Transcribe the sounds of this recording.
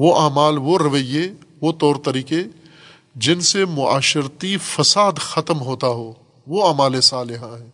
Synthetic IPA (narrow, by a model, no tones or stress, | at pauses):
ʋoʔaːmaːlʋoɾɐʋəjeʋot̪ɔːɾt̪ɐɾiːke | d͡ʒɪnsemʊa̰ːʃɪɾt̪ifɐsaːd̪xɐt̪mɦoːt̪aɦoː | ʋoaːmaːlesaːlɪɦãɦɛː